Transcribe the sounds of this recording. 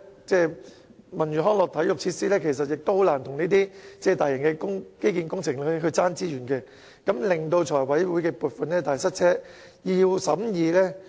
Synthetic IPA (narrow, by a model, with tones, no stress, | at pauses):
t͡sɛː˥˧ | mɐ˨˩nɥyː˨ɦɔː˥ŋlɔː˨k̚t̪ʰɐ˨˥jʊ˨k̚t͡sʰiː˧t̚siː˥lɛː˥kʰe˨˩js̬ɐ˨t̚jɪ˨k̚t̪o˥ho˨˥wlaː˨˩nt̪ʰʊ˨˩ŋniː˥t̪iː˥t͡sɛː˧˩t̪aː˨jɪ˨˩ŋkɛ˧kʊ˥ŋke˥jkiː˧nkʊ˥ŋt͡sʰɪ˨˩ŋlɦɵ˧t͡saː˥nt͡siː˥jyː˨˩nkɛː˧ | kɐ˨˥mlɪ˨ŋt̪o˧wt͡ʃʰɔː˨˩jwɐ˨˥jwuː˨˥jkɛː˧puː˨t̚fɐ˨nlɛː˥t̪aː˨˩sɐ˥t̚t͡sʰɛː˥ | ji˧wsɐ˨˥mjiː˧lɛː˥